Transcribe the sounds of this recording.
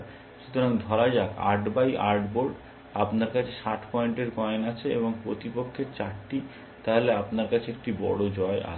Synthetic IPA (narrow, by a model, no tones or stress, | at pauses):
ʃut̪ʰoɾaŋd̪ʱɔɾad͡ʑaka̰ɾɖbajʔaɾɖboɾɖ | apnaɾkat͡ɕʰe̥ʃaʈʰpɔeɳʈeɾkɔeenat͡ɕʰeḛboŋpɾot̪ipokʰːeɾt͡ɕaʈʈi | t̪aɦoleapnaɾkat͡ɕʰeek̚ʈibɔ̰ɽod͡ʑɔeʔa̰